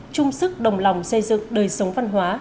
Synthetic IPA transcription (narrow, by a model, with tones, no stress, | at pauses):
t͡ɕʊ˧ŋ͡msɨ˦˥k̚ɗə˨˩wŋ͡mla˨˩wŋ͡msə˧jzɨ̰˧˨ŋɗəː˨˩jsə˨˦wŋ͡mva˧nɦwaː˨˦